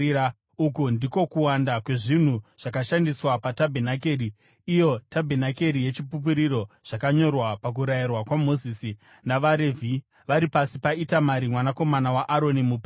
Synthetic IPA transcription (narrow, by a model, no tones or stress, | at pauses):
ukundiko̞kuwandakwe̞ʐin̤uʐ̥akaʃandiswapatabʱenake̞ːriː | jo̞tabʱenake̞ɾije̞t͡ʃipup̬uɾiɾo̞ | ʐ̥akaɲo̞rwapak̬uɾajirwakwamo̞zisi | naʋaɾe̞vʱi | ʋaɾipasipaitamaɾimwanako̞manawaʔaɾo̞nimup